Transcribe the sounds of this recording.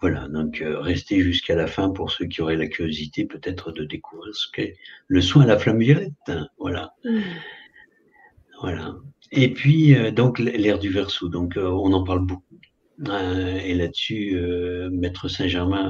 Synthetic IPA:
vwalad̪ɔ̃kʰøʁɛst̪eʒyskalafɛ̃puʁsøkʲiɔʁɛlakʲyʁjozit̪epøt̪ɛt̪χəd̪əd̪ekuvʁiʁsə̥kɛləswɛ̃laflamvjɔlɛt̪vwa̰la̰ | vwala | epɥiød̪ɔ̃kllɛʁd̪yvɛʁsod̪ɔ̃køɔ̃nɑ̃paʁlbok̚u | elad̪əsyømɛt̪χəsɛ̃ʒɛʁmɛ̃

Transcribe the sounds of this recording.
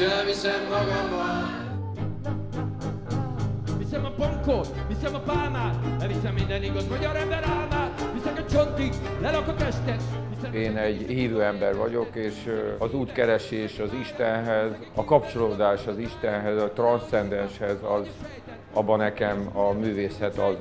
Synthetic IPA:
ɛvisɛmːɒɡɒmːɒn | visɛmɒpoŋkot̪visɛmɒpaːmaːt̪ɛvisɛmːind̪ɛniɡɒzmɒɟɒɾɛmbɛɾaːlmaːt̪hisɛkɒt͡ʃont̪iklɛlɒkɒt̪ɛʃt̪ɛt̪iseːnɛɟhiːvøːɛmbɛrʋɒ̰ɟo̞keːʃɒzuːt̪kɛɾɛʃeːʃɒziʃt̪ɛnɦɛz | ɒkɒpt͡ʃo̞loːd̪aːʃɒziʃt̪ɛnɦɛzɒt̪rɒnsɛnd̪ɛnʃhɛzɒz | ɒbːɒnɛkɛmɒmyːveːsɛt̪ɒz

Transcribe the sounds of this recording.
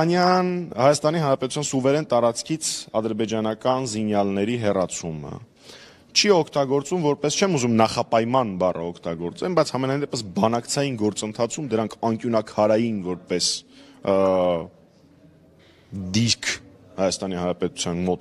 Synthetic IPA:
njɑnhɑjɑst̪ɑniɦɑnɾɑpɛt̪u̥t͡sʰjɑnsuvɛɾɛnt̪ɑɾɑt͡skʰit͡sʰɑd̪əɾbɛd͡ʒɑnɑkɑnzinjɑlnɛɾiɦɛrɑt͡sʰumə̰ | t͡ʃʰiɔkʰt̪ɑɡɔɾt͡sumvɔɾpɛst͡ʃʰɛmuzumnɑχɑpɑjmɑnbɑrʔə̰ɔkʰt̪ɑɡɔɾt͡sɛlbɑjt͡sʰhɑmɛnɑjnd̪ɛpəsbɑnɑkt͡sʰɑjinɡɔɾt͡sənt̪ʰɑt͡sʰumd̪əɾɑŋkʰɑŋkjunɑkʰɑɾɑjinvɔɾpɛs | d̪iɾkʰhɑjɑst̪ɑnihɑnɾɑpɛt̪u̥t͡sʰjɑnmɔt̪

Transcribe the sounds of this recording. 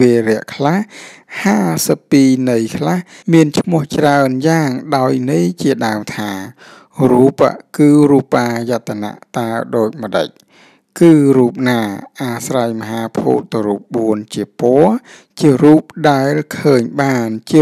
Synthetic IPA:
eːɾɛ̆əʔkʰlahhaːsəpːiːnɨjkʰlah | miənt͡ɕʰmʊəht͡ɕraənjaːŋɗaɔjnɨjt͡ɕiəɗaəmt̪ʰaː | ruːpə̰kɨːruːpːaːjat̪ʰːana̰ʔt̪aəɗoːc̚mə̆ɗə̰c̚ | kɨːruːp̚naːʔaːsrajməɦaːpʰṵːt̪̚ːɨwruːp̚ɓuənt͡ɕiəpɔə | t͡ɕiəruːp̚ɗaɛlkʰəːɲɓaːnt͡ɕiə

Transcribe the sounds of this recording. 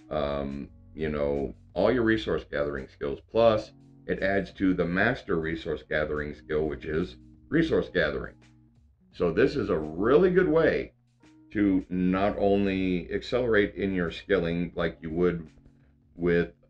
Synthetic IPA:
ʔʌ̃m | jɨnoʊ | ʔɔlˠjə˞ɹisɔɹsɡ̥æðə˞ɪ̰̃ŋskɪlˠz̥pʰl̥ʌs | ʔɨɾʔædz̥tʰɨðɨmæstə˞ɹisɔɹsɡ̥æðə˞ɪ̃ŋskɪlˠwɨt͡ʃɪz | ɹisɔɹsɡ̥æðə̰˞ɪ̰̃ŋ | soʊðɪsɨzəɹɪlˠiɡʊd̚weɪ | ɾʰɨnəɾõʊ̃nliɨ̰ksɛlˠə˞eɪɾɪ̃njə˞skɪlˠɪ̃ŋlaɪkjɨwəd̚ | wɪð

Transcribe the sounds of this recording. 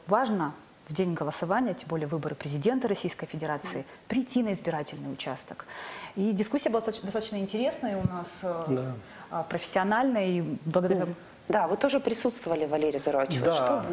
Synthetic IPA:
vaʐnə | vdʲenʲɡəlˠəsɐvanʲɪjətʲɪmbo̞lʲɪjəvɨbəɾɨpɾʲɪzʲɪdʲe̞nt̪əɾɐsʲijskəjfʲɪdʲɪɾat̪sɨɪ | pɾʲɪtʲːinəɪzbʲɪɾatʲɪlʲnɨjʊt͡ɕa̰st̪ə̥kidʲɪskusʲɪjəbɨlˠat̪t̪d̪st̪at̪ə̥t͡ɕʲnəɪnʲtʲɪɾʲe̞snəjəʊnas | pɾəfʲɪ̥sʲːɪɐnalʲnəjiblˠəɡəd̪ɐɾʲa | d̪avɨt̪o̞ʐɨpɾʲɪsut̪st̪vəvəlʲɪvɐlʲeɾʲɪjəzʊɾot͡ɕɪvʂt̪o

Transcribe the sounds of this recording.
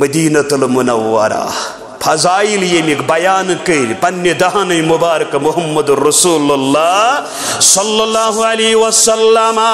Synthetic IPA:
mɐd̪iːnɐt̪ulmunɐwːɐ̰ɾa̰ | pʰɐzaːiljemikbɐjaːnkɐɾpɐnːjed̪ɐɦɐnɐjmubaːɾɐkɐmʊɦɐmːɐd̪uɾɐsuːlɐlːaː | sɔlːɐlːaːɦuɐlɐɦiwɐsɐlːɐmɐ

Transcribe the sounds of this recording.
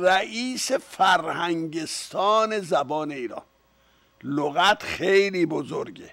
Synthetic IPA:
ræʔiːsefæɾhæŋɟest̪ʰɒːne̞zæbɒːne̞iːɾɒ̰ːn | loɣæt̪ʰxejliːbozoɾɟḛ

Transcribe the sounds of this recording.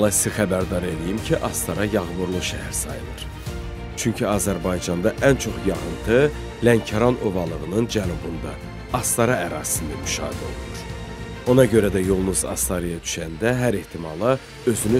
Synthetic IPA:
lˠɑisixæbæɾd̪ɑɾe̞lijimcʰiʔɑst̪ʰɑɾɑjɑɣbuɾlˠuʃæhæɾsɑ̰jɯ̰lˠɯɾ̥ | t͡ʃʰyɲcʰiɑːzæɾbɑjd͡ʒɑnd̪ɑʔænt͡ʃʰo̞χjɑɣɯnt̪ʰɯ | læncʰɑɾɑnʔo̞vɑlˠɯʁɯnɯnd͡ʒænubund̪ɑ | ɑst̪ɑɾɑæɾɑ̰ːzi̥sind̪æmyʃɑ̰ːid̪o̞̰lˠunuɾ̥ | o̞nɑɟø̞ɾæd̪æjo̞lˠnuzɑ̰st̪ɑɾijɑd̪y̥ʃænd̪æɦæɾeht̪ʰimɑlˠɑ | ø̞zyny

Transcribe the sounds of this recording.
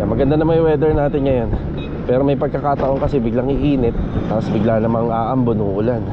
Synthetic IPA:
mɐɡɐnd̪anɐmɐjwɛd̪ɛɹnaːt̪ɪnŋɐjon | pɛːɾomɐjpɐɡ̚kɐkaːt̪ɐʔo̞ŋkɐsɛbɪɡlaŋɪʔiːnɪt̪̚t̪ːaosbɪɡlanɐmaŋʔaːʔɐmbonʊŋʔʊlan

